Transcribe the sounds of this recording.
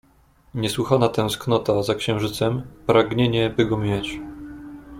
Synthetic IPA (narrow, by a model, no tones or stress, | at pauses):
ɲɛswɘxanat̪ɛ̃w̃sknɔt̪azakɕɛ̃w̃ʐɘt̪sɛmpɾaɡɲeɲɛbɘɡɔmʲjɛt͡ɕ